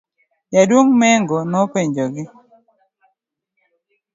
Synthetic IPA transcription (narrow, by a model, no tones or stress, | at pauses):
jadwoŋmɛŋɡɔnɔpeɲd͡ʒoɡɪ